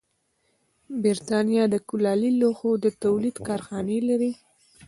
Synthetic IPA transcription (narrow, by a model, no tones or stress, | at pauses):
bɪɾt̪ɑnjɑd̪əkʊlɑliloxod̪ət̪awlid̪kɑɾxɑnelaɾi